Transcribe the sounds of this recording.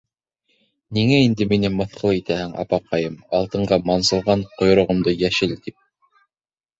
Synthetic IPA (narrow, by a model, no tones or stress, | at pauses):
niŋæind̪ɘminɘmɤ̆θqʰɤlˠit̪æhɘŋɑ̰pɑqɑjɤmɑlˠt̪ɤ̆ɴɢɑmɑnsɤ̆lˠʁɑɴqŏj̆ɾŏʁɤ̆md̪ɤjæʃɘlt̪ip̚